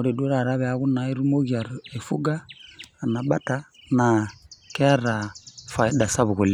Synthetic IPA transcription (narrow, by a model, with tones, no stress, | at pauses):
ɔ˨ɾe˨du˦ɾa˨ɾa˦βɛ˨a˦ɣu˦na˨˦i˦ɾu˦mo˦ɣi˨a˨ɾɔ˨ɛ˨fu˦ɡaː˦˨na˨ɓa˦ta˦ | na˨kɛ˦a˦ɾa˨fa˨i˦da˨sa˦βu˨ɣo˨li˦